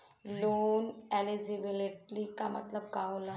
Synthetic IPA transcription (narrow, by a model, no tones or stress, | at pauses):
lonɛliziʋileʈlikamə̰t̪ləb̚kawla